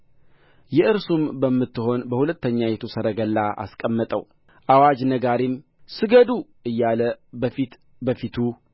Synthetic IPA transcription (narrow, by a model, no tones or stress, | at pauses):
jɛʔɨɾsumbəmːɨt̪ːɨho̞nbəhulət̪ːəɲːajɛt̪ʰo̞səɾəɡəlːaʔa̰skʼəmːət̪ʼəw | ʔawad͡ʒnəɡaɾim | sɨɡəd̪u | ɨjːaləfit̪ | bəfit̪ʰu